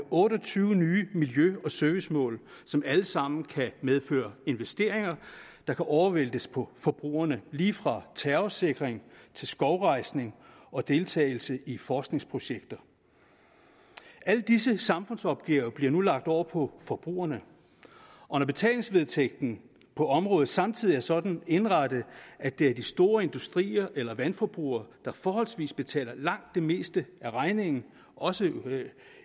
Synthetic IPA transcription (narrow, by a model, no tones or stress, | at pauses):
ʔɔ̽ːɾɐt͡sʰyːʊənyːəmiljøɒ̽sœɐʋismɔ̰̽ːlsɒ̽mæləsɑ̈m̰n̩kʰæmeð̞ˠfø̰ːɐe̝nʋesd̥e̝ɐ̰eŋɐd̥ɑ̈kʰæʔɒʊɐʋel̰d̥əspʰɒ̽fɒ̽b̥ʁṵːɐnəliːfʁɑ̈t͡sʰæɐose̝ɡ̥ʁeŋt͡sʰe̝lsɡ̥ɒʊʁɑ̈ɪ̰sne̝ŋ | ɒ̽d̥e̝lt͡sʰɛ̰ːɪl̩səifɒːsɡ̥ne̝ŋspʰʁo̝ɕeɡ̥̚d̥ɐ | æl̰d̥isəsɑ̈mfɔ̽nsɒ̽b̥̚ɡ̥ɛʊb̥liɐnulɑ̈ɡ̥̚d̥ɒʊ̰ɐpʰɒ̽fɒb̥ʁṵːɐnə | ʔɒ̽nɒb̥e̝t͡sʰɛ̰ːle̝ŋsʋe̝ð̞ˠt͡sʰeɡ̥̚d̥n̩ | pʰɒ̽ɒ̽mʁɔ̽ːð̩ˠsɑ̈mt͡sʰið̰ˠiæɐsɒ̽d̥n̩e̝nʁɑd̥əʔæd̥e̝æɐd̥isd̥o̝ːɐe̝nd̥usd̥ʁḭːɐʔelɐʋænfɒb̥ʁṵːɐd̥ɑ̈fɒːɦɒ̽lsʋḭːsb̥e̝t͡sʰɛ̰ːlɐlɑ̈ŋ̰d̥ːe̝me̝̰ːsd̥əʔæʁɑ̈ɪne̝ŋn̩ | ʔɒ̽sə